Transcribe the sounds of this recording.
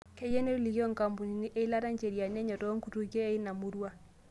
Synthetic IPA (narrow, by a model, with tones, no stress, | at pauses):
kɛ˦jɛ˦ne˦ɾu˦li˨ɣi˦ɔ˦ŋka˨mbu˨ni˨ni˦ʔe˦i˦la˦ɾa˦ɲt͡ʃɛ˨ɾi˨a˨nɛ˦ɲɔ˨tɔ˦ŋku˨tu˦kɛː˦i˦na˨mu˦ɾwa˦